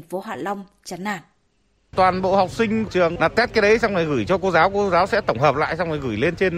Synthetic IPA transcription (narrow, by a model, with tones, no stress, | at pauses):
ŋ̟fo˨˦ɦwa̰ː˧˨nla˧wŋ͡m | t͡ɕa˨˦nːaː˧˩˨n | t̪waː˨˩nɓo̰˧˨ha˨˩wk͡p̚sï˧ŋ̟t͡ɕɨ˨˩əŋnaː˨˩t̚t̪ɛ˦˥t̚kaː˨˦jɗə˨˦jsa˧ŋ͡mŋa˨˩ɣɨ˧˩jt͡ɕɔ˧ko˧zaː˨˦wko˧zaː˨˦wsɛ̰˧˥t̪ə˧˩wŋ͡mɦəː˨˩p̚la̰ː˧˨jsa˧wŋ͡mŋa˨˩jɣɨ˧˩jle˧nt͡ɕe˧n